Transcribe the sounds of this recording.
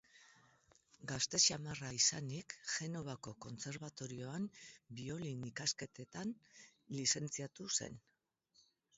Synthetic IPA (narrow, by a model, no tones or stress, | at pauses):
ɡast̪e̞t͡ʃiamaraisanikʝe̞no̞β̞ako̞ko̞nt͡se̞ɾβat̪o̞ɾio̞ambio̞linikaske̞t̪e̞t̪anlise̞nt͡siat̪use̞̰n